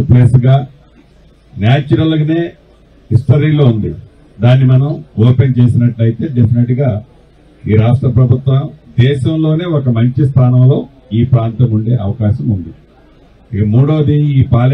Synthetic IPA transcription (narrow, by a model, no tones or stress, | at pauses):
pleːsɡaː | njaːt͡ʃuɾɐlne̞ː | ɦisʈɐɾiːloːund̪i | d̪aːnːimɐnɐmoːpent͡ʃe̞ːsinɐʈlɐjit̪e̞ːɖepʰineʈuɡaː | iːɾaːsʈɾɐpɾɐbʱut̪wɐd̪ɛːʃɐmlo̞ːne̞ːɔkɐmɐɲt͡ʃist̪ʰaːnɐmlo̞ː | iːpɾaːnt̪ɐmuɳɖe̞ːɐʋɐkaːʃɐmund̪i | ikɐmuːɽoːd̪iiːpaːl